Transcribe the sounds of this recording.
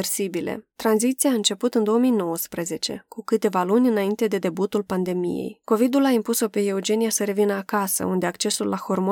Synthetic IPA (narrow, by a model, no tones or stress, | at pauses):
rsibile̞̰t̪ɾanzit̪sijaɨnt͡ʃe̞put̪ɨnd̪o̞omijno̞wəspɾeze̞t͡ʃe̞̰kukɨt̪e̞valunʲɨnaint̪e̞d̪e̞d̪e̞but̪ulpand̪e̞mḭje̞̰jko̞vid̪ulaimpuso̞pe̞eud͡ʒe̞nijasəɾe̞vinəakasə̰und̪e̞akt͡ʃe̞sulːaho̞rmo